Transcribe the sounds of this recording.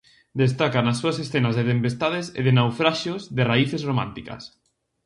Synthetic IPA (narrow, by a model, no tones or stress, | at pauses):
d̪est̪akanasːuasesθenazðet̪empest̪að̞esḛð̞enawfɾaʃjozðeraiθezromã̰nt̪ika̰s